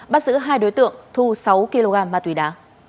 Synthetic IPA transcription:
ɓaː˦˥t̚zɨ̰˧˥ɦaː˧jɗo˨˦jt̪ɨ̰˧˨əŋt̪ʰu˧sa˨˦wki˧lo˧ɣaː˧˩mvaː˨˩t̪wi˨˩˦ɗaː˨˦

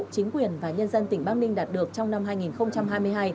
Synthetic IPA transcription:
t͡ɕï˨˦ŋ̟kwi˨˩ənvaː˨˩ɲə˧nzə˧nt̪ï˧˩ŋ̟ɓaː˧ŋ̚nï˧ŋ̟ɗaː˨˩t̚ɗɨ˨˩ək̚t͡ɕɔ˧wŋ͡mna˧mɦaː˧jŋi˨˩nxə˧wŋ͡mt͡ɕa˧mɦaː˧jmɨ˧əjɦaː˧j

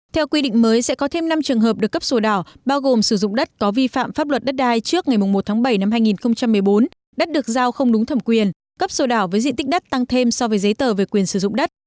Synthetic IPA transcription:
t̪ʰɛ˧wkwi˧ɗḭ˧˨ŋ̟məː˨˦jsɛ̰˧˥kɔ˨˦t̪ʰe˧mna˧mt͡ɕɨ˨˩əŋɦəː˨˩p̚ɗɨ˨˩əkːə˦˥p̚so˧˩ɗaː˧˩wɓaː˧wɣo˨˩msɨ˧˩zʊ̰˧˨ŋ͡mɗə˦˥t̚kɔ˨˦vi˧fa̰ː˧˨mfaː˦˥p̚lwə˨˩t̚ɗə˦˥t̚ɗaː˧jt͡ɕɨ˦˥ək̚ŋa˨˩jmʊ˨˩ŋ͡mmo˨˩t̪ʰaː˨˦ɓə˧˩jna˧mɦaː˧jŋi˨˩nxə˧wŋ͡mt͡ɕa˧mːɨ˨˩əjɓo˨˦n | ɗə˦˥t̚ɗɨ˨˩ək̚zaː˧wxə˧wŋ͡mɗʊ˨˦ŋ͡mt̪ʰə˧˩mkwi˨˩ən | kə˦˥p̚so˧˩ɗaː˧˩wvəː˨˦jzḭ˧˨nt̪i˦˥k̚ɗə˦˥t̚t̪a˧ŋt̪ʰe˧msɔ˧vəː˨˦jzə˨˦jt̪əː˧˩ve˨˩kwi˨˩ənsɨ˧˩zʊ̰˧˨ŋ͡mɗə˦˥t̚

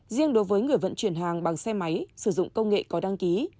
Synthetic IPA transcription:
zi˧əŋɗo˨˦jvəː˨˦jŋɨ˨˩əjvə̰˧˨nt͡ɕwi˧˩ənɦaː˨˩ŋɓa˨˩ŋsɛ˧ma˨˦jsɨ˧˩zʊ̰˧˨ŋ͡mkə˧wŋ͡mŋḛ˧˨kɔ˨˦ɗa˧ŋki˨˦

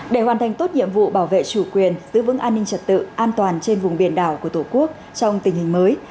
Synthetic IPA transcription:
ɗe˧˩hɦwaː˨˩nt̪ʰa˨˩jŋ̟t̪o˦˥t̚ɲḭ˧˨əmvṵ˧˨ɓaː˧˩wvḛ˧˨t͡ɕu˧˩kwi˨˩ənzɨ̰˧˥vɨ̰˧˥ŋʔaː˧nːï˧ŋ̟t͡ɕə˨˩t̚t̪ɨ̰˧˨ʔaː˧nt̪waː˨˩nt͡ɕe˧nvʊ˨˩ŋ͡mɓi˧˩ənɗaː˧˩wku˧˩ət̪ʰo˧˩ku˦˥ək̚ | t͡ɕɔ˧wŋ͡mt̪ï˨˩ŋ̟hï˨˩ŋ̟məː˨˦j

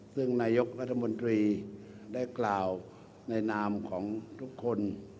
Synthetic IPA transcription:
sɯ˥˩ŋnaː˧jo˦˥k̚ɾa˦˥t̪ʰːa˧mo˧nt̪ɾiː˧ | daː˥˩jklaː˨˩w | na˧jnaː˧mkʰɔː˩˦ŋt̪ʰu˦˥kʰːo˧n

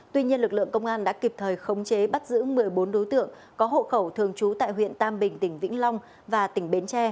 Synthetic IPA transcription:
t̪wi˧ɲi˧ənlɨ˨˩k̚lɨ̰˧˨əŋkə˧wŋ͡mʔaː˧nɗa̰ː˧˥ki˨˩p̚t̪ʰəː˨˩jxə˨˦wŋ͡mt͡ɕe˨˦ɓa˦˥t̚zɨ̰˧˥mɨ˨˩əjɓo˨˦nɗo˨˦jt̪ɨ̰˧˨əŋ | kɔ˨˦ɦo̰˧˨xə˧˩wt̪ʰɨ˨˩əŋt͡ɕu˨˦t̪a̰ː˧˨jɦwḭ˧˨ənt̪aː˧mɓï˨˩ŋ̟t̪ï˧˩ŋ̟vḭ˧˥ŋ̟lɔ˧wŋ͡m | vaː˨˩t̪ï˧˩ŋ̟ɓe˨˦nt͡ɕɛ˧

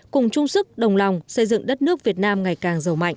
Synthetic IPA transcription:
kʊ˨˩ŋ͡mt͡ɕʊ˧ŋ͡msɨ˦˥k̚ɗə˨˩wŋ͡mla˨˩wŋ͡msə˧jzɨ̰˧˨ŋɗə˦˥t̚nɨ˦˥ək̚vi˨˩ət̚naː˧mŋa˨˩jkaː˨˩ŋzə˨˩wma̰˧˨jŋ

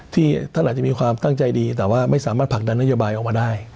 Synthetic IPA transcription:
t̪ʰiː˥˩t̪a˥˩nʔ̚ːt͡ɕa˨˩miː˧kʰwaː˧mt̪a˥˩ŋt͡ɕa˧jdiː˧t̪̬ɛː˨˩waː˥˩ma˥˩jsaː˩˦maː˥˩t̪pʰa˨˩k̚da˧nːa˥joː˧baː˧jʔɔː˨˩k̚maː˧daː˥˩j

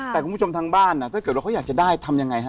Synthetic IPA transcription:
t̪ɛː˨˩kʰu˧˦˥o˧mt̪ʰaː˧ŋbaː˥˩nʔa˧˩t̪ʰːkɤː˨˩wa˧kʰːjːk̚t͡ɕa˨˩daː˥˩jt̪ʰa˧mja˧ŋːa˧jɦa˦˥

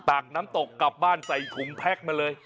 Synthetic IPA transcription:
t̪aː˨˩k̚naː˦˥mt̪o˨˩kːa˨˩p̚baː˥˩nsa˨˩jkʰu˨˩˦mpʰɛ˦˥˩k̚maː˧lɤː˧j

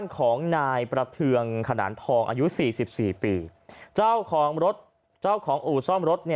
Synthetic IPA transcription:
aː˥˩nkʰɔː˩˦ŋnaː˧jpɾa˧t̪ʰɯ˧əŋkʰa˧na̰ː˩˦nt̪ʰɔː˧ŋʔa̰ː˧ju˦˥siː˨˩si˨˩p̚siː˨˩piː˧˩t͡ɕa˥˩wkʰɔː˩˦ŋɾo˦˥t̪̚ | t͡ɕaː˥˩wkʰɔː˩˦ŋʔuː˨˩sɔ˥˩mɾo˦˥t̪̚ni˥˩

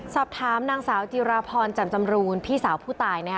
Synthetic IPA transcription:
sɔː˨˩p̚t̪ʰaː˩˦mnaː˧ŋsaː˩˦wt͡ɕi˧ɾaː˧pʰɔː˧nt͡ɕa˨˩mt͡ɕa˧mɾuː˧npʰiː˥˩saː˩˦wpʰuː˥˩t̪aː˧jna˥kʰ

